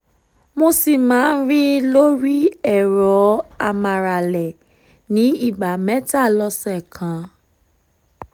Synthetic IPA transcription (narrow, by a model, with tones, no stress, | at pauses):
mo˧si˨mãː˨˦n̩˦ɾi˦lo˦ɾi˦ɛ˦˨ɾɔ˨˦a˧mã˨ɾa˨lɛ˨ | nĩ˨˦i˦˨ɡ͡ba˨mɛ̃˦ta˦˨lɔ˧sɛ˦˨kʰã˨˦